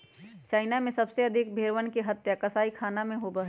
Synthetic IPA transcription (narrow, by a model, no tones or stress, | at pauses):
t͡ʃaːɪnamẽsɐbseɐd̪ʱɪk̚bʱeːɾʋənkeɦɐt̪jakɐsaːikʰaːnamẽɦobəɦ